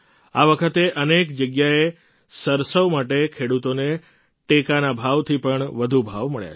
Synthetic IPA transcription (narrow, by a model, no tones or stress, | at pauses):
aʋəkʰət̪eʔənekd͡ʒəɡjae | səɾsəʋmaʈekʰeɽut̪one | ʈekanabʱaʋt̪ʰipəɳʋəd̪ʱubʱaʋməɭja̰